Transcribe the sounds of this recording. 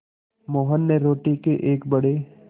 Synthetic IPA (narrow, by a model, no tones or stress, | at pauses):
mɔːɦənːeɾoːʈikeʔeːkbəɽe